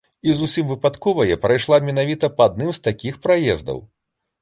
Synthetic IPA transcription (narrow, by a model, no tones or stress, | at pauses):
izusʲimvɨpat̪kɔvɐjɛpɾajʂlˠamʲɛnavʲit̪ɐpɐad̪̚nɨmst̪akʲixpɾajɛ̰zd̪ɐ̰w